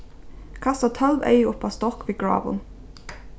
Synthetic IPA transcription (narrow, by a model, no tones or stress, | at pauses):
kʰɑst̪ɑt̪ʰœlʋœ̰ɪʊpɑːst̪ɔkʋiːɡɹɑ̰ːʋʊ̰n